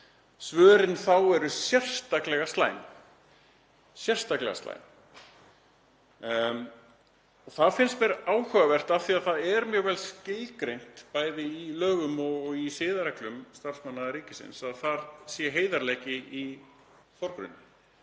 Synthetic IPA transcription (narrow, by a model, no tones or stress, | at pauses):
svœːɾɪnθawɛɾʏsjɛr̥st̪aklɛɣast̪la̰ːjn | sjɛr̥st̪aklɛ̰ɣa̰sa̰jn | ɔɣθaðfɪnst̪vɛɾaːwhœɣavɛr̥t̪avθiaðθaðɛɾmjœːɣvɛlscɪjlkɾejn̥t̪paːjðɪilœːɣʏmɔɣɔɣisɪːðaɾɛklʏmst̪ar̥smanːaðɾiːcɪsɪ̰nsaðθaɾsjɛɦeːjðaɾlɛjcɪi | fɔɾkɾʏ̰nːɪ